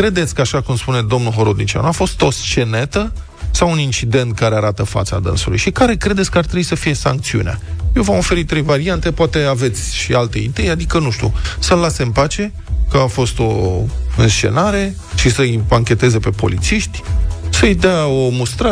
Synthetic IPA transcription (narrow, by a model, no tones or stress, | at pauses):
kɾe̞d̪e̞t̪sʲkəaʃakumspune̞d̪o̞mnulɦo̞ɾod̪nit͡ʃia̰nafo̞st̪o̞st͡ʃe̞ne̞t̪ə | sawunint͡ʃid̪e̞nt̪̚kaɾe̞aɾat̪əfa̰t̪sa̰d̪ə̰nsulṵjʃikaɾe̞kɾe̞d̪esʲkəaɾt̪ɾebisəfije̞sa̰ŋkt̪siṵnea̰jewvamo̞fe̞ɾit̪ːɾe̞jvaɾiant̪e̞poat̪e̞ave̞t̪sʲʃialt̪e̞id̪e̞jad̪ikənuʃt̪ʲṵsəlasempat͡ʃe̞ | kəafo̞st̪o̞ɨnst͡ʃe̞̰naɾe̞ | ʃisəipaŋkʲe̞t̪e̞ze̞pe̞po̞̰lit̪siʃt̪ʲsəjd̪eao̞must̪ɾə